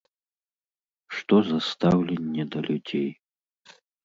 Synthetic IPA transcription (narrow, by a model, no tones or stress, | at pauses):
ʂt̪ɔzɐst̪awlʲɛnʲːɛd̪ɐlʲud͡zʲej